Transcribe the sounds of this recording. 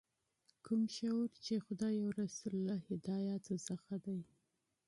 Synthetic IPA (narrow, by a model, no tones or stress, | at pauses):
kʰumʃawɾt͡ʃexʊd̪ɑjawɾasulːahɪd̪ɑjɑt̪osəxad̪aj